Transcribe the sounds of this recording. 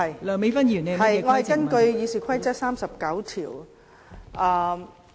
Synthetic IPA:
hɐ˨jlœ˨ŋme˨˧˥fɐ˥njiː˨˩nɛ˧hɐ˨jŋɔː˨˧hɐ˨jkɐ˥nkɵ˧ɥjiː˨˧siː˨˩kʷʰɐ˥jt͡sɐ˥t̚saː˥msɐ˨p̚kɐ˨˥wt̪ʰḭː˨˩w | ʔaː˧

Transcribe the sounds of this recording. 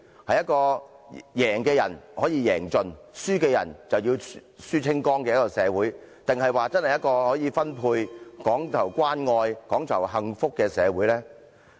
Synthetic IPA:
hɐ˨jɐ˥t̚kɔː˧jɛː˨˩ŋkɛː˧jɐ̰˨˩nhɔː˨˥jiː˨˧jɛː˨˩ŋt͡ʃɵ˨nsyː˥ke˧jɐ̰˨˩nt͡sɐ˨wjiː˧wsyː˥t͡sʰɪ˥ŋkɔː˥ŋkɛː˧jɐ˥kːɔ˧sɛː˨˧wuː˨˥j | t̪ɪ˨ŋhɐ˨jwaː˨t͡sɐ˥nhɐ˨jɐ˥t̚kɔː˧hɔː˨˥jiː˨˧fɐ˥npʰuː˧jkɔː˨˥ŋt̪ʰɐ˨˩wkwaː˥nŋɔː˧jkɔː˨˥ŋt̪ʰɐ˨˩wɦɐ˨ŋfʊ˥kːɛː˧sɛː˨˧wuː˨˥jlɛː˥

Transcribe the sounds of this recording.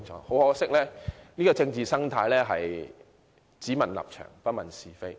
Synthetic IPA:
ŋʰɔ̰ː˨˥ho˨˥wɦɔː˨˥sɪ˥k̚lɛː˥niː˥kɔː˨˧t͡sɪ˧ŋt͡siː˨sɐ˥ŋt̪ʰaː˧jlɛː˥ɦɐ̰˨j | t͡siː˨˥mɐ˨˩nlɐ̰˨p̚t͡ʃʰœ̰ː˨˩ŋpɐ˥t̚mɐ˨nsiː˨fe˥j

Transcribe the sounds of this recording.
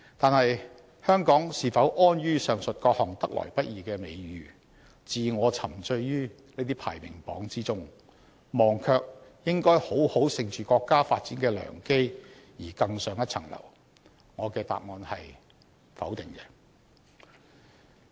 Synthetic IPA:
t̪aː˨nhɐ˨j | hœː˥ŋkɔː˨˥ŋsiː˨fɐ˨˥wʔɔː˥nɥyː˥sœː˨ŋsɵ˨t̚kɔː˧k̚hɔ˨˩ŋt̪ɐ˥k̚lɔ̰ː˨˩jpɐ˥t̚jiː˨kɛː˧me˨˧jjyː˨˧ | t͡siː˨ŋɔː˨˧t͡sʰɐ˨˩mt͡sɵ˧ɥjyː˥ | ne˥t̪iː˥pʰa̰ː˨˩jmɪ̰˨˩ŋpɔ̰ː˨˥ŋt͡siː˥t͡sʊ˥ŋ | mɔː˨ŋkʰœː˧k̚jɪ˥ŋkɔː˥jho˨˥who˨˥wsɪ˨ŋt͡ʃyː˨kɔː˧kːaː˥faː˧t̚t͡siː˨˥nkɛː˧lœ̰ː˨˩ŋke˥j | jiː˨˩kɐ˧ŋsœː˨˧ŋjɐ˥t̚t͡sʰɐ̰˨˩ŋlɐ̰˨˩w | ŋɔː˨˧kɛː˧t̪a̰ː˨p̚ŋɔː˨˧nhɐ˨j | fɐ̰˨˥wt̪ɪ˨ŋkɛ˧

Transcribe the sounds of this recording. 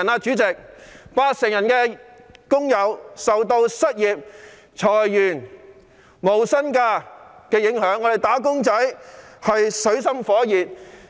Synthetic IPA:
naː˧t͡ʃyː˨˥t͡sɪ˨k̚paː˥sɪ˨˩ŋjɐ˨˩nkɛː˧ | kʊ˥ŋjɐ˨˧wsɐ˨wt̪o˧wsɐ˥t̚jiː˨p̚ | t͡ʃʰɔː˨˩jːyː˨˩n | mo˨˩wsɐ˥nkaː˧kɛː˧jɪ˨˥ŋhœː˨˥ŋːɔ˨˧d̪e˨jt̪aː˨˥k̬ʊ˥ŋt͡sɐ˨˥jhɐ˨jsɵ˨˥ɥsɐ˥mfɔː˨˥jiː˨p̚

